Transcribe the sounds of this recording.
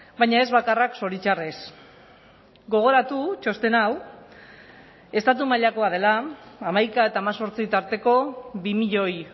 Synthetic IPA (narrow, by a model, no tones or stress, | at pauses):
bajɲae̞zβakarakso̞ɾit͡ʃares | ɡo̞ɣ̞o̞ɾat̪ut͡ʃo̞st̪e̞naw | e̞st̪at̪umaʎako̞að̞e̞laːmajkae̞t̪aːmaso̞ɾt͡sit̪aɾt̪e̞ko̞βimiʎo̞j